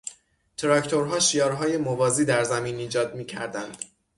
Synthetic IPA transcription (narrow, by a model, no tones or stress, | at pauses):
t̪ʰeɾɒkt̪ʰoɾɦɒːʃiːjɒːɾɦɒːje̞movɒːziːd̪æɾzæmiːniːd͡ʒɒːd̪miːcʰæ̰ɾd̪ænd̪̥